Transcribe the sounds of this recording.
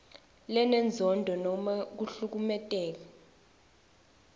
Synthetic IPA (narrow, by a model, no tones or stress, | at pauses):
lɛnɛnd͡zʱɔndʱɔnɔmak̬uɬuk̬umɛtʼɛːk̬a